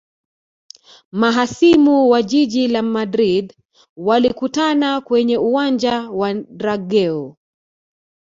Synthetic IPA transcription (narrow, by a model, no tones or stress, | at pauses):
maɦasimuwaʄiʄilamadɾid | walikutanakwɛɲɛuwand͡ʒawaɾaɡɛɔ